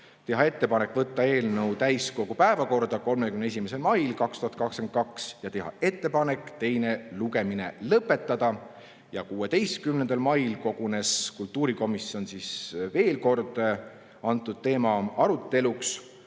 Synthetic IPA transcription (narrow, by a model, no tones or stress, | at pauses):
t̪e̞ɦɑe̞t̪ːe̞pɑnekːˑvɤt̪ːɑe̞ːlnɤwt̪æjsko̞ɡ̥upæevɑko̞rd̪̥ɑko̞lmekymne̞s̬ʲimese̞lmɑjlkɑkst̪uhɑt̪̚kɑksken̚kɑksjɑt̪e̞ɦɑ̰e̞t̪ːe̞pɑne̞kːˑt̪e̞jne̞luɡe̞mine̞̰lɤpːˑe̞t̪ːɑd̪̥ɑ | jɑkuːe̞t̪e̞jst̪̚kymnend̪ɑlmɑjlko̞ɡ̥une̞skult̪ːuːɾiko̞misːio̞nsisve̞ːlko̞rd̪̥ | ɑnt̪ːˑud̪̥̚t̪e̞ːmɑɑɾut̪ːe̞luks